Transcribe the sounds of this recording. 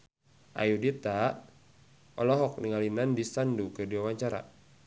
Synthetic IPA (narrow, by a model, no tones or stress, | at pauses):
ʔa̰judit̪a | ɔlɔɦɔk̚niŋalinandisandukɨrdiwawaɲt͡ʃaɾa̰